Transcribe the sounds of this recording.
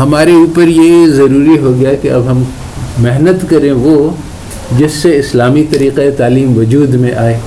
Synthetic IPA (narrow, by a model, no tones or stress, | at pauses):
ɦɐmaːɾeuːpəɾjezɐɾuːɾiɦoɡɐjakeɐbɦɐm | mɪɦnət̪kɐɾẽʋo | d͡ʒɪsːeɪslaːmit̪ɐɾiːqeet̪aːliːmʋʊd͡ʒuːd̪mẽʔaːeː